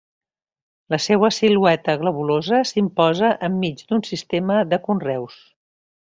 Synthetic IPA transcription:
ləseβəsiluɛt̪əɣləβulozəsimpɔzəʔəmːid͡ʒd̪unsist̪eməðəkunrɛws

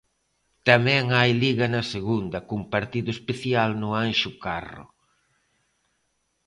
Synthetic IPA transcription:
t̪ɐmɛ̃ŋajliɣɐnɐseɣund̪ɐkumpaɾt̪iðʊespeθjalnʊanʃʊkarʊ̰

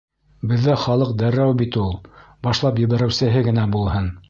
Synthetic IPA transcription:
bɘ̆ðːæχɑlˠɤq̚d̪æɾæwbit̪ulˠ | bɑʃlˠɑpjɘ̆βæɾɘ̆wsɘ̆ɦɘɡɘ̆næbulˠhɤn

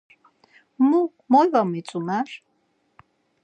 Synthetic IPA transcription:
mu | mɔjwamit͡sʼumar

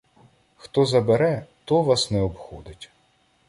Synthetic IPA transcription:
xt̪ɔzɐbeɾɛt̪ɔʋɑsnɛɔbxɔd̪ɪtʲ

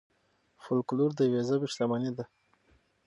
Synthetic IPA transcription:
fʊlkluɾd̪əwezabɪʃt̪amanid̪a

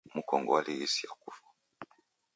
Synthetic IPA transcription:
m̩kɔŋɡɔwaliisiakufḁ

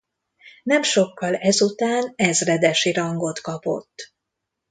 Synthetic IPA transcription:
nɛmʃo̞kːɒlɛzut̪aːnɛzrɛd̪ɛʃiɾɒŋɡo̞t̪kɒpo̞̰t̪ː

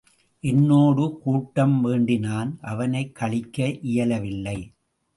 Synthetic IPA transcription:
ʔɛnːoːɽɯkuːʈːɐmʋeːɳɖɪnaːnʔɐʋɐnɐɪkʰːɐɭɪkːɐʔɪjɐlɐʋɪlːɐɪ

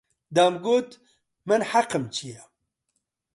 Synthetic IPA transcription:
d̪aːmɡoːt̪ | mɨnħaqɨmt͡ʃʰijɛ

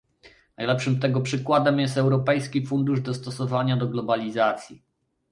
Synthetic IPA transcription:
najlɛpʂɘmt̪ɛɡɔpʂɘkwad̪ɛmjɛst̪ɛwɾɔpɛjskʲifund̪uʐd̪ɔst̪ɔsɔvaɲad̪ɔɡlɔbalʲizat̪sʲji

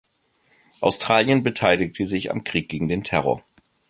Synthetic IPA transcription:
ʔaʊstʁ̥aːljənbətʰaɪlɪk̚tʰəzɪça̰mkʁ̥iːk̚ɡ̥eːɡŋ̩deːntʰɛʁɔ̰ɐ

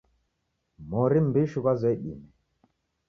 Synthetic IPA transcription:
mɔɾimbiʃukazɛɗḭmɛ

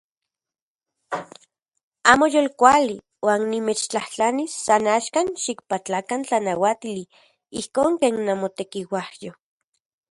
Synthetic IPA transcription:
aːmojolkʷali | waːnːimet͡ʃt͡ɬaht͡ɬanisːanaːʃkanʃik̚pat͡ɬakant͡ɬanawat̪ili | ihkoːŋkeːnːamot̪ekiwahjo

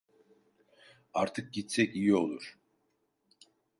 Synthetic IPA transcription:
aɾt̪ʰɯk̚ɟit̪sɛcijio̞lˠuɾ̥

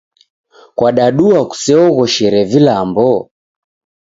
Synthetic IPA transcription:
kwaɗaɗuaku̥sɛɔɣɔʃɛɾɛvilambɔ

